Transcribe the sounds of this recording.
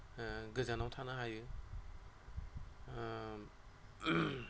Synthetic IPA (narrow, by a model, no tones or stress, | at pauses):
ɡɯzanawtʰanɯɦajɯ